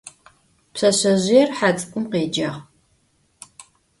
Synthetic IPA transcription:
psɐɕɐʑʷijɛrħat͡sʼkʷʼʊmqeːd͡ʒɐʁ

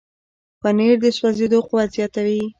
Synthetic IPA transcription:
paneɾd̪əswazed̪oqʊwazjɑt̪awi

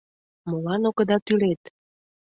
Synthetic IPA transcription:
molɑnokə̆d̪ɑt̪ylet̪

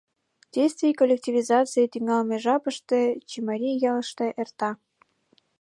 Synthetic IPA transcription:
d̥ʲejst̪vʲijkolʲːek̚tʲivʲizɑtt͡sɨjet̪yŋɑlmʲeʐɑpɤ̆ʂt̪ĕt͡ɕimɑɾʲijɑlˠʃt̪ɤʔert̪ɑ

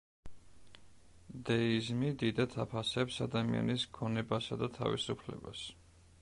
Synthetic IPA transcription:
d̪ɛizmid̪id̪at̪ʰapʰasɛpsad̪amia̰nisɡʰɔnɛbasad̪at̪ʰa̰vḭsupʰlɛ̰ba̰s

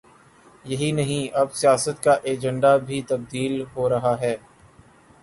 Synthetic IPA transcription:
jɐɦinɐɦĩɐbsijaːsət̪kaʔeːd͡ʒə̃ɳɖabʱit̪ɐb̚d̪iːlɦoɾɐɦaɦɛː

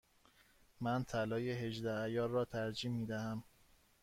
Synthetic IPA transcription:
mænt̪ʰælɒːjeɦe̞d͡ʒd̪ææjɒːɾrɒːt̪ʰæɾd͡ʒiːmːiːd̪æhæm

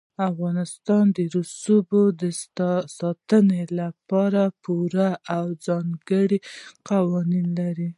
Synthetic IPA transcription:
afɣɑnɪst̪ɑnd̪əɾusubod̪əsɑt̪ənelapɑɾapʰuɾaʔawd͡zɑŋɡəɽiqawɑninlaɾi

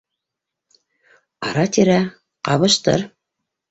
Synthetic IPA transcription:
ɑ̰ɾɑt̪iɾæ | qɑβɤ̆ʃt̪ɤ̰ɾ

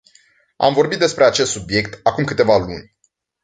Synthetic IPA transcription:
a̰mvo̞ɾrbit̪̚d̪espɾe̞at͡ʃe̞st̪subje̞k̚t̪akumkɨt̪e̞valṵnʲ

